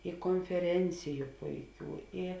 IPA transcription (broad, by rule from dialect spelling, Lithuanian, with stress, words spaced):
ɪ koːnʲfʲɛˈrʲɛnʲt͡sʲɪjʊ ˈpʊɪˌkʲuː ɪ